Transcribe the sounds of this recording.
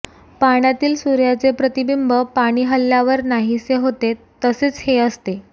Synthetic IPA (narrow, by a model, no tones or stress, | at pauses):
paɽ̃jat̪iːlsuɾjat͡sepɾət̪ibimbəpaɽ̃iːɦəlːjaʋəɾnaɦiseɦot̪et̪əseːt͡sheəst̪e